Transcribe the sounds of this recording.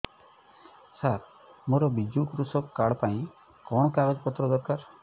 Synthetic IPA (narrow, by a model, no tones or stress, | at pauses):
saɾ | moɾɔbid͡ʒukɾusɔbkaɽɔpaĩ | kɔɽ̃ɔkaɡɔd͡ʒpɔt̪ɾɔɡɔɾkaɾ